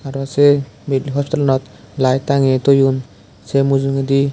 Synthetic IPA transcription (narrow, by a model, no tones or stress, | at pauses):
aɾase | midliɦɔspi̥t̪alɔnɔt̪ | lajt̪aŋet̪ojun | semuzuŋed̪i